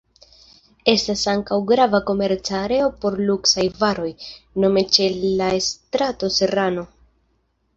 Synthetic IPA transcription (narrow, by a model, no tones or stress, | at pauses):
e̞stasaŋkawɡɾavako̞me̞ɾt͡saɾe̞o̞po̞ɾluksajvaɾo̞jno̞me̞t͡ʃe̞laestɾato̞se̞ɾano̞